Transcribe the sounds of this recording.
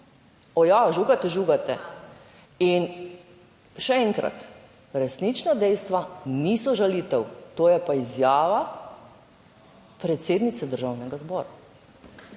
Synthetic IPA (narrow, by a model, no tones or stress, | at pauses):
ɔjaʒuɡat̪ɛʒuɡat̪ɛ | in | ʃɛɛŋkɾa̰t̪ | ɾɛsnit͡ʃnad̪ɛjst̪ʋanisɔʒalit̪ɛwt̪oːjɛpaizjaːʋa | pɾɛt̪seːd̪nit̪sɛd̪əɾʒaːwnɛɡazbɔːɾa